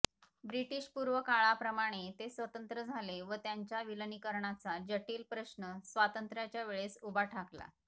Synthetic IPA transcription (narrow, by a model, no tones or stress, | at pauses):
bɾiʈiːɕpuɾʋəkaɭapɾəmaɽ̃et̪esʋət̪ənt̪ɾəd͡zʱaleʋət̪jaɲt͡ɕjaʋilənikəɾɳat͡sad͡ʑəʈiːlpɾəɕnəsʋat̪ənt̪ɾjat͡ɕjaʋeɭesubaʈʰakla̰